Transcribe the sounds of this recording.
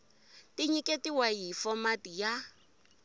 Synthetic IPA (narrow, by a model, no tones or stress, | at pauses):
tiɲikʼetiwajifɔmatija